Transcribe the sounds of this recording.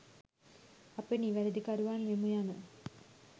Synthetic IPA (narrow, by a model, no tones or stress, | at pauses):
ɐpːeniːʋɐɾɐd̪ikaɾuʋaːnʋemujaːnɨ